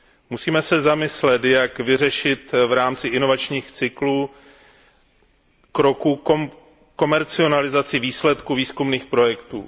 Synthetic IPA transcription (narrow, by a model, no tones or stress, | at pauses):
musiːmɛsɛzamɪslɛt̪jakvɪrɛʃɪt̪vɾaːmt͡sɪʔɪno̞vat͡ʃɲiːxt͡sɪkluː | kɾo̞ku | ko̞mɛɾt͡sɪo̞nalɪzat͡sɪviːslɛt̪kuviːskumniːxpɾo̞jɛkt̪ṵː